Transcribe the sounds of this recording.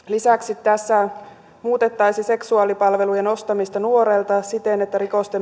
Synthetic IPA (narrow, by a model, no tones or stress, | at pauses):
lisæksit̪ːæsːæ | muːt̪e̞t̪ːɑjsise̞ksuɑlipɑlʋe̞lujenost̪ɑmist̪ɑnuo̞ɾelt̪ɑsit̪enet̪ːæɾiko̞st̪em